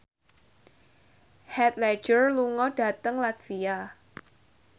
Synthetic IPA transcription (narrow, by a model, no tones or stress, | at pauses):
hɛt̪̚lɛ̥d͡ʒərluŋɔɖ̥a̤t̪əŋlat̪fia